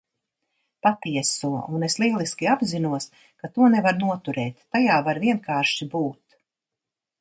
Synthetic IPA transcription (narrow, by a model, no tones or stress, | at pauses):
pat̪iɛsuɔuneslˠiɛlˠiskʲiabzinuɔs | kat̪uɔnɛvaɾnuɔt̪uɾɛːt̪ːajaːvaɾviɛnkaːɾʃibuːt̪